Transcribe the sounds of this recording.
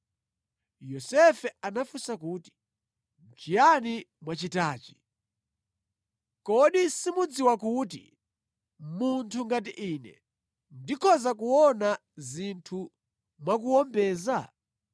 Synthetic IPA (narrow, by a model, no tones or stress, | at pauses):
jɔsɛfɛanafusakuːti̥ | nd͡ʒijanimwat͡ʃitaːt͡ʃi̥ | kɔɗisimud͡ziwakuːt̬ḭ | muntʰuŋɡat̬iʔiːnɛ̰ | ndikʰɔzakuwɔna | zintʰu | mwakuɔmbɛːza